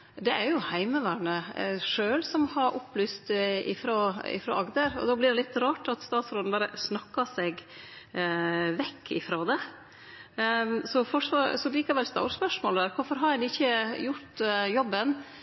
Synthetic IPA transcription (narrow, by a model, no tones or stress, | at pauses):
d̪ɛʔæɾjʊhæɪməʋæːɾɳəʂøːlsɔmhɑɾʔʊpːlyːst̪ɪ̰fɾoːɪ̰fɾo̰ːʔɑɡd̪əɾɔ̰d̪oːblɪɖ̪ɛlɪt̪ːɾɑːʈɑt̪st̪ɑːt̪sɾoːn̩b̪ɑːɾəsnɑkːɑsɛɡ | ʋɛkʰːɪ̰fɾoːd̪ɛ | sɔfɔʂʋɑsɔliːkɑʋɛlst̪ɑ̰ʊspœʂmoːld̪æːɾkʰʊɾfɔɾɦɑɾɛnɪçːəjʊɾt̪jɔbːən